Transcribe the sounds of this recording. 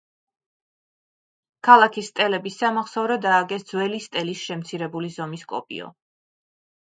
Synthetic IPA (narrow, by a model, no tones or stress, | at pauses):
kʰalˠakʰist̪ʼɛlɛbisːamaχsɔvɾɔd̪aːɡɛsd̪zwɛlist̪ʼɛlisʃɛmt̪sʰiɾɛbulizɔmiskʼɔ̰pʼḭɔ̰